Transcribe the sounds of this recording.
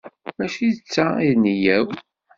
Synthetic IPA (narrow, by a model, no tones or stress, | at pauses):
mæʃiət͡sːaiðnəjæw